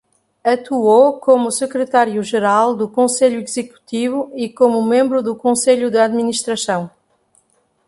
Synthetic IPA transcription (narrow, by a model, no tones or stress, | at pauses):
ɐt̪uokomusɨkɾɨt̪aɾjuʒɨɾalˠd̪ukõseʎuizɨku̥t̪ivuikomumẽmbɾuðukõseʎud̪ɨaðminiʃt̪ɾɐsɐ̃w̃